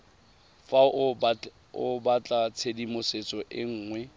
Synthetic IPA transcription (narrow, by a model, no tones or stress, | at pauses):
fa | ʊbat͡ɬʼat͡sʰedimʊset͡sʼɔʔɪŋ̩ːŋwɛ